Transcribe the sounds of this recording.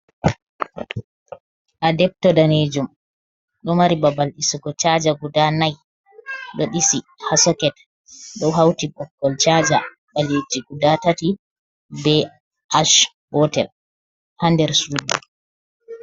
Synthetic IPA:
ʔadɛb̚tɔdaned͡ʒum | ɗɔmaɾibabalɗisuɡɔt͡ʃad͡ʒaɡudanaj | ɗoɗisihasɔkɛt | ɗɔwɦawtibɔkːɔlt͡ʃad͡ʒa | balid͡ʒiɡudatati | bɛ | ʔaʃ | b̥ɔtɛ̰l | handɛɾsudu

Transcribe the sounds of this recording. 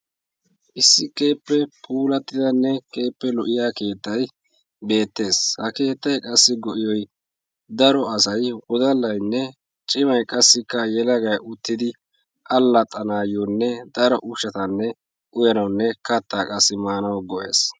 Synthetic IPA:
ʔɪsːɪke̞ːpːɛpʰuːlɐt̪ːɪd̪ɐnːɛkʰʼe̞ːpːɛlɔʔɪjaːke̞ːt̪ːɐj | be̞ːt̪ːe̞ːshɐke̞ːt̪ːɐjkʼɐsːɪɡɔʔɪjɔj | d̪ɐɾɔɐsɐjwɔd̪ɐlːɐjnːɛ | t͡ʃʼɪmɐjkʼɐsːɪkːɐjɛlɐɡɐjʔʊt̪ːɪd̪ɪ | ʔɐlːɐt̪ʼːɐnaːjɔnːɛd̪ɐɾɔʔʊʃɐt̪ɐnːɛ | ʔʊjɐnɐwnːɛkɐt̪ːaːkʼɐsːɪmaːnɐwɡɔʔe̞ːs

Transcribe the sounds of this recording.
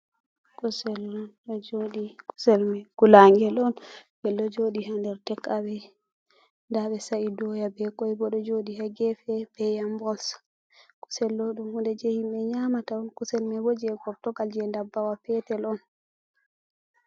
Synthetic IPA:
kusɛlɔ | ɔd͡ʒoɗikusɛlmɛɡulaŋɡɛlɔnbɛlːɔd͡ʒoɗiɦandɛɾtɛkʰːawɛ | ndaɓɛsaidɔjabɛkɔjbɔɗɔd͡ʒoɗihaɡɛfɛb̥ɛjambɔls | ku̥sɛlːɔɗumhundɛd͡ʒɛhimɓɛɲaːmataɔnkusɛlmɛbɔd͡ʒɛɡɔɾtɔɡald͡ʒɛndabːawapɛtɛlɔn

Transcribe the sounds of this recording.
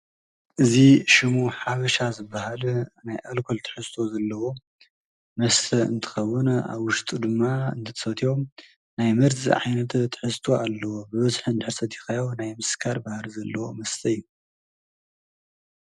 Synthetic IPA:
ʔɨziʃimuħaβɐʃazɨbːahalnajʔalkʰolt̪ʰɨ̥ħɨst̪ʰo̞zɐlːɐwo̞ | mɐst̪ʰɐɨ̰nt̪ʰɨ̥xɐwːɨna̰βwʊʃt̪ʼud̪ɨmːaɨ̰nt̪ʰɐt̪ʰɐ̥fɐt̪ʰiom | najmɐɾzḭʕa̰jnɐt̪ʰt̪ʰːɨ̥ħɨst̪ʰo̞alːɐwo̞bɨβɐzħɨnd̪ɨħɾsɐt̪jɪxajawnajmɨskʰaɾbahlzɐlːɐwo̞mɐst̪ʰɐjːu

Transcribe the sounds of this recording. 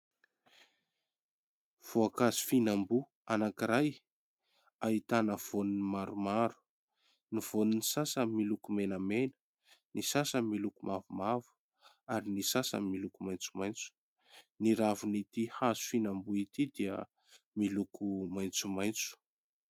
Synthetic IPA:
v̥oakazu̥finambu | anakiɾaj | ait̪anəv̥onunimaɾumaɾu̥ | niv̥oninisasəmilukumenəmenə̥ | nisasəmilukumavumavu̥ | aɾinisasə̰milukumajnt͡sumajnt͡su̥ | niɾavunit̪ihazu̥finambuit̪id̪iə̰ | milukʰumajnt͡sumajnt͡su̥

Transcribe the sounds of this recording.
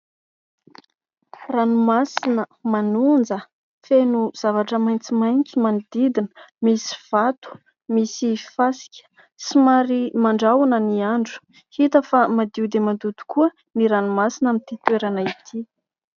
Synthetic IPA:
ranumasinəmanund͡zə | fenuz̥avaʈ͡ʂəmajnt͡simajnt͡simanid̪id̪inə̥misi̥v̥at̪u̥ | misifasi̥kʲə̥ | simaɾimaɳɖ͡ʐawunəniaɳɖ͡ʐu̥ | hit̪əfamad̪iud̪emand̪ud̪u̥kuə | niɾanumasinamit̪it̪weɾanait̪ʰi

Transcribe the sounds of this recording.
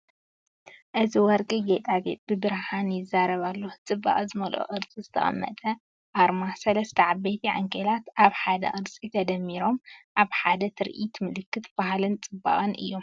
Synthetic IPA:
ʔɨziwɔɾɡɨɡet̪ʼaɡḛt̪ʼbɨbɨɾhanjɪzːaɾɐβalːot͡sʼɨbːa̰ʔʼzɨmɐlʔo̰ʔɨɾt͡sʼizɨt̪ʰɐ̰χʼɐ̰mːɐ̰t̪ʼɐ | ʔaɾmasɐlɐst̪ʰɐʕabejt̪ʰiʕa̰ŋkʰelat̪ʔaβħad̪ɐ̰ʔʼɨɾt͡sʼit̪ʰɐd̪ɐmːiɾo̞mʔaβħad̪ɐt̪ʰɨɾʔit̪mɨlɨkːɨt̪b̥ahlɨnt͡sʼɨbːa̰χʼɨnʔɨjːo̞m

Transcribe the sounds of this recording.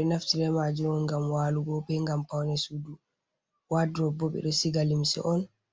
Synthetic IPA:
ɛnaftiɾɛmad͡ʒuɾɔnɡamwaːluɡɔbɛŋɡampawnɛsudu | wadɾɔbɔɓɛ̰ɗɔsiɡalimsɛ̰ʔɔn

